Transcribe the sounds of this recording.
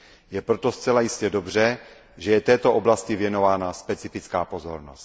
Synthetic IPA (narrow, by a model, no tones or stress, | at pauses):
jɛpɾot̪o̞st͡sɛlajɪscɛdobr̝ɛ | ʒɛjɛt̪ɛːt̪oʔoblascɪvjɛno̞vaːnaspɛt͡sɪfɪt͡skaːpo̞zoɾnost̪